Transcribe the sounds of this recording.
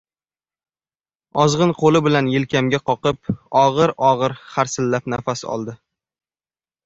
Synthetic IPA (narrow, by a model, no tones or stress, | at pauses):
ɒzʁɨnqʰolɪbɪlanjɪlkʲamɡʲaqʰɒqɨp̚ɒʁɨɾɒʁɨɾχaɾsɪlːapnafasɒ̰lˠd̪ɪ